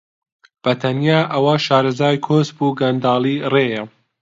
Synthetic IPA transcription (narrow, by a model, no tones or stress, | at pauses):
b̥ɐt̪ʰɐnjaːʔɐwɐʃaːɾɐzaːjkʰosbuːɡɐnd̪ɑːlˠiːreːjɐ